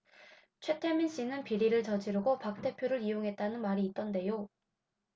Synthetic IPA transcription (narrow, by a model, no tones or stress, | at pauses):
t͡ɕʰwe̞tʰe̞minɕ͈inɯnpiɾiɾɯɭt͡ɕʌd͡ʑiɾɯɡopak̚t͈e̞pʰjoɾɯɾijoŋɦe̞t̚t͈anɯnmaɾiːt̚t͈ʌnde̞jo